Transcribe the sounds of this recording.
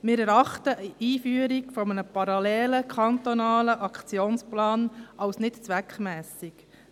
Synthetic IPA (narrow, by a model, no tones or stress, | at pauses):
mɪːɾɛɾɑχtəʔiːfyːəɾikfɔmənəpɑɾɑlɛːləkχɑnt̪ɔnɑːləʔɑkʰt͡sjoːnsplɑːnɑwsnɪtt͡sʋækχmɛːsik